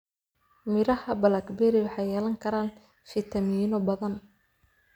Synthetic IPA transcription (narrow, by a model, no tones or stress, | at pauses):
mɪɾɐhɐbɐlɐkbɛɾɪwɑħɑjɛːlɐŋkʰɐɾaːn | fɪt̪ʰɐmiːnɔbɐðɐn